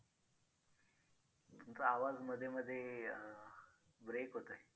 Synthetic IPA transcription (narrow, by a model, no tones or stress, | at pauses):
t̪unt̪əaʋad͡zməd̪ʱːjeməd̪ʱːje | bɾekɦot̪əe